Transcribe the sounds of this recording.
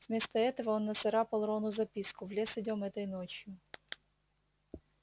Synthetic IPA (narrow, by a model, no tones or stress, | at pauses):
vmʲist̪ɐɛt̪ɔʋɔɔnːɐsɐɾɑpɐlˠɾɔnʊzɐpʲiskʊʋlʲɛsɪdʲɔmɛt̪ɐjnɔt͡ʃjʊ